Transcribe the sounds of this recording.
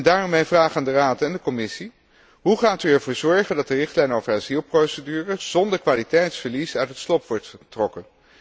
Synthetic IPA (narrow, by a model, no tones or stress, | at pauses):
ndaːrɔmːejvraːχaːndəraːtɛndəkɔmɪsi | ɦuχaːtyɛɹvoːɹzɔɹχəndɑt̚dərɪχtlɛjnowvəɹaːzilˠprosədyːrəz̥ɔndəɹkʋaːlitɛjtsfəɹlisœɥtɦətslɔpʋɔɹtχətrɔkən